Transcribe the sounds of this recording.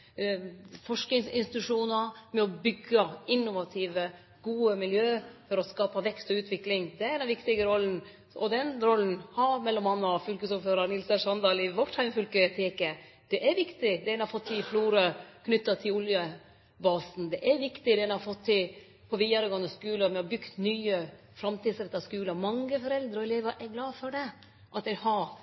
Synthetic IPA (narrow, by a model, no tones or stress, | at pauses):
fɔʂk̪ɪŋsɪnst̪ɪtɪt̪ʉʂuːnɑmɛɔbʏɡːəɪnːʊʋɑt̪ʰiːʋə | ɡ̥uːəmɪljøːfɔɾɔskɑːpɑʋɛkst̪ɔʉːt̪ʰʋɪklɪŋd̪ɛæɾd̪ɛnʋɪkt̪ɪɡəɾɔlːn̩ | ɔd̪ɛnɾɔlːn̩hɑɾmɛlːɔmɑnːfʏlkəsuːɾføːɾɑɾnɪlsəʂɑnd̪ɑːlɪʋɔʈhæɪmfœlkət̪ʰeːkə | d̪̥ɛʔæɾʋɪkt̪ɪd̪ɛnhɑfɔt̪ʰːɪlɪfluːɾəkʰnʏt̪ːɑt̪ʰɪlʊljə | bɑːsn̩d̪ɛʔæɾʋɪkt̪ɪd̪ɛnhɑɾfɔt̪ʰːɪl | pʰɔʋiːɑɾəɡɑŋːəskʉːləmɛɔbʏkt̪nyːə | fɾɑmt̪iːd̪sɾɛt̪ːɑskʉːləmɑŋːəfɔɾɛld̪ɾəɔɛleːʋəʔɛɡlɑːfɔɖɛ | ʔɑt̪̚d̪ɛhɑɾ